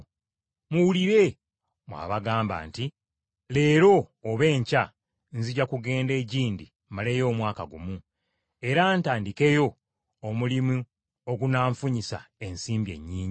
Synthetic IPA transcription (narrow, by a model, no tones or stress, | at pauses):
muwuliɾe̞ | mwa̰ːβaɡaːmba̰ːnti | le̞ːɾo̞ːβe̞ːɲca | nziɟakuɡe̞ːnde̞ːɟiːndi | male̞ːjo̞ːmwaːkaɡumu | e̞ɾaːntaːndike̞jo̞ | omulimu | o̞ɡunaːɱfuɲisa̰e̞nsiːmbje̞̰ɲːiːɲi